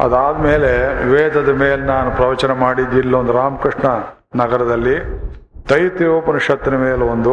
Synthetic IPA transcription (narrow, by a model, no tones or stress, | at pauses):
ɐ̰d̪aːd̪ɐmeːleʋeːd̪ʱɐd̪ɐmeːlenaːnupɾɐʋɐt͡ʃɐnɐmaːɽid̪ːilːɐond̪uɾaːmɐkɾiʂɳɐ | nɐɡɐɾɐd̪ɐlːit̪ɐjt̪ioːpɐnɐʃɐt̪ːɐnɐmeːleond̪u